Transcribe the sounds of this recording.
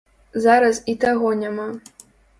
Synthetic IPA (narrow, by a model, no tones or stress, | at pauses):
zaɾɐsit̪aɣɔnʲama